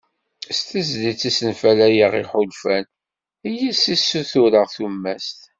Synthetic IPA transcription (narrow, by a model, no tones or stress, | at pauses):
st̪əzdit͡sːisənfælæjəʁiħʊlfæn | ijæsisːuθʊɾəʁθumːæst̪